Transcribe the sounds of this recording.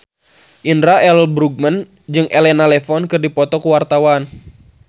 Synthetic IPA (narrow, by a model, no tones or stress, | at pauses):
ʔindɾaɛlbɾuɡ̚mən | d͡ʒɨŋʔɛlɛnalɛfɔnkɨrdipɔt̪ɔkuwart̪awan